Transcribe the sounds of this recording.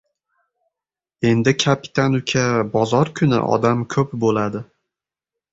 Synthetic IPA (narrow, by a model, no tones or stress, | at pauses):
e̞nd̪ɪkʲʰapʰi̥t̪ʰanʊkʲʰabɒzɒɾkʰʊnɪ̰ʔɒ̰d̪amkʲʰɵp̚bolad̪ɪ